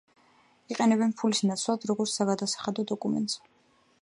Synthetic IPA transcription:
iqʼɛnɛbɛnpʰulisnat̪sʰlad̪ɾɔɡɔɾt̪ssaɡad̪asḁχad̪ɔd̪ɔkʼumɛ̰nt̪ʼz̥

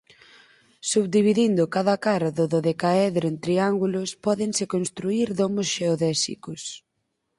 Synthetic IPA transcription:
suβd̪iβiðind̪ʊkaðɐkaɾaðoðoðekaɛðɾoent̪ɾiaŋɡulʊspɔðeŋsɪkonst̪ɾuiɾðomosʃeoðɛsḭkʊs

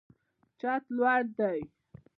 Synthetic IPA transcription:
t͡ʃat̪lwaɽd̪aj

